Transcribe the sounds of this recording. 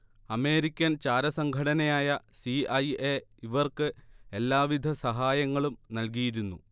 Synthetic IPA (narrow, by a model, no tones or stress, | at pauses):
ɐme̞ːɾikʲːɐnt͡ɕaːɾɐsɐŋɡʱɐɽɐnɐjaːjɐsiɐjeiʋɐrkɨe̞lːaːʋid̪ʱɐsɐɦaːjɐŋːɐɭumnɐlkijiɾunːṵ